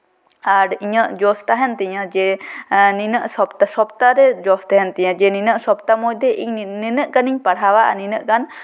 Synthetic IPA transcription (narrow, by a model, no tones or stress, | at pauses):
aɾiɲəʔd͡ʒɔst̪aɦɛnt̪iɲəd͡ʒɛninəʔsɔpt̪asɔp̚t̪aɾɛd͡ʒɔst̪aɦɛnt̪iɲad͡ʒɛninəʔsɔp̚t̪amɔjd̪ɛʔiɲninəʔkaniɲpaɽɦawaʔninəʔkan